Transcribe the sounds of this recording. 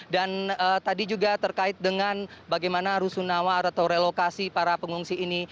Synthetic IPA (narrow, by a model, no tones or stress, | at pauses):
danəːt̪adid͡ʒuɡat̪ərkaɪt̪̚dəŋanbaɡajmanaɾusunawaɾat̪awɾelokasipaɾapəŋuŋsiːni